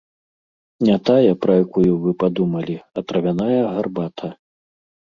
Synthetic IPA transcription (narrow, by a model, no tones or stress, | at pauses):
nʲat̪ajɐpɾɐjakujuvɨpad̪umɐlʲiɐt̪ɾɐvʲanajɐɣarbat̪ʰɐ